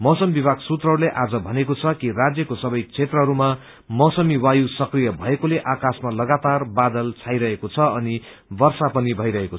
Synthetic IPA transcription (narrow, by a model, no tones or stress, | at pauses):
mʌsʌmbibʱaɡsut̪rʌɦɾuleʔad͡zʌbʱʌnekot͡sʰʌkirad͡zjʌkosʌbʌjt͡sʰet̪rʌɦʌɾuma | mʌsʌmiwajusʌkrijʌbʱʌekoleʔakasmalʌɡat̪arbad̪ʌlt͡sʰajɾʌɦekot͡sʰʌʌni | bʌrsapʌnibʱʌjɾʌɦeko